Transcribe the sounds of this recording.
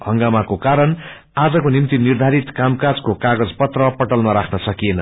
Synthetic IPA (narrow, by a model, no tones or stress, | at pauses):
ɦʌŋɡamakokaɾʌn | ad͡zʌkonimt̪inird̪ʱaɾit̪kamkad͡zkokaɡʌd͡zpʌt̪rʌpʌʈʌlmʌɾakʰnʌsʌkienʌ